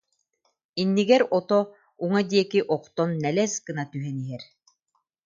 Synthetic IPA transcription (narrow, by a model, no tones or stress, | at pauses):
inːiɡɛɾɔt̪ɔ | uŋad̪iɛkiʔɔqt̪ɔnːɛlɛskɯnat̪yɦɛniɦɛɾ